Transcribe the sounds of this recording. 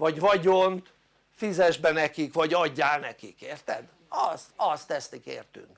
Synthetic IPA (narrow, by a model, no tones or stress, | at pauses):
vɒɟʋɒɟont̪ | fizɛʒbɛnɛkikʋɒɟɒɟːaːlnɛkikeːrt̪ɛ̰d̪ | ɒst̪ɒst̪ɛst̪ikḛːrt̪y̰ŋk